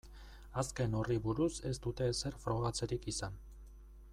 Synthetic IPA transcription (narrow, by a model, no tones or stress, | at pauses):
aske̞no̞riβuɾuse̞st̪ut̪e̞se̞rfɾo̞ɣat͡se̞ɾikisan